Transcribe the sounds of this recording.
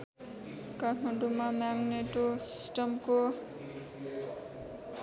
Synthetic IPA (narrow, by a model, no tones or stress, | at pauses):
kakʰmaɳɖumamaɡneʈosi̥sʈʌmko